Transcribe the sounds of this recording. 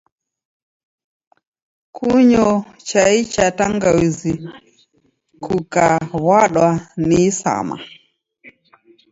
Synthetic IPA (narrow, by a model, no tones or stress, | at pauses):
kʰuɲɔ | t͡ʃait͡ʃataŋɡawizi | kukaβwaɗwaniːsa̰ma̰